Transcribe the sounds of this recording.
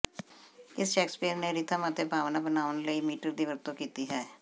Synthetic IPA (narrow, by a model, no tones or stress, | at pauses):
ɪsʃɛːkspiːəɾneɾɪt̪ʰamət̪ʰːebʱaːʋnaːbənaːʋənləiːmiːʈəɾd̪iːʋəɾt̪õkiːt̪iɦɛː